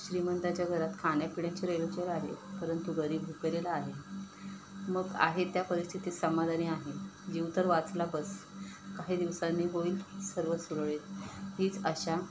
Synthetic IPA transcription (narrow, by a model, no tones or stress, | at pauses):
ɕɾimənt̪at͡ɕjaɡʱəɾat̪kʰaɽ̃japiɽjat͡ɕiɾelut͡ɕeɾaɦḛpəɾənt̪uɡəɾiːbʱuklelaːɦe | məɡa̰ɦet̪japəɾist̪ʰit̪iːsəmad̪ʱaniaɦed͡ʑiʋt̪əɾʋat͡slabəskaɦiːd̪iʋsanːiɦoiːlsəɾʋəsuɽɭet̪ɦiːt͡səɕa